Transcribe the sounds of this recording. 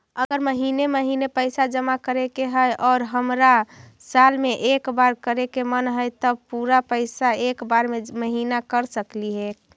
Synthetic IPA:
əɡəɾməɦineməɦinepəɪsad͡ʒəmakəɾekeɦəjʔɔːɾɦəmɾa | salmeʔekbaɾkəɾekemənɦəjt̪əb̚puɾapəɪsaekbaɾmeməɦinakəɾsəkliɦek

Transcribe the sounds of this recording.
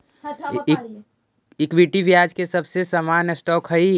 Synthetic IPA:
ɪkbiʈibjaːd͡ʒkesəbsesəmanəsʈɔːkɦəi

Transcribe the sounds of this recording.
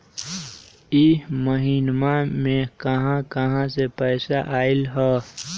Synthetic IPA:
iməɦiːnmamẽkəɦãkəɦãsepɛːsaʔaːɪlɦɛː

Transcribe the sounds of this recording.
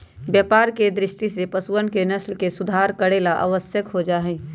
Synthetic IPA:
bjəːpaːɾked̪ɾɪʃʈisepəswənkenəslkesʊd̪ʱaːɾkəɾeːlaʔa̰ːʋəsjəkɦod͡ʒaːɦɛː

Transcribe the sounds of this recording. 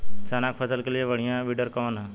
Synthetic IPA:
t͡ʃanakfʰəsəlkelijeʋəɽijãʋiɖəɾkɐʋana

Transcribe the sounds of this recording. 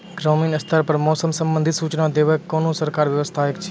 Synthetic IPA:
ɡɾoːmiːnɐst̪ʰəɾpɐɾmɔːsəmsə̃mbə̃nd̪ʱɪt̪suːt͡ʃnad̪eːʋəkːoːnũsəɾkaːɾʋjəʋəst̪ʰaekt͡ʃʰ

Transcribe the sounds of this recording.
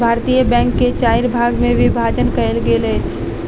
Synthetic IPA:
bʱaːɾt̪ijəbɛ̃ːŋkːet͡ʃaːɪɾbʱaːɡmẽʋɪbʱaːd͡ʒənkəelɡelet͡ʃ

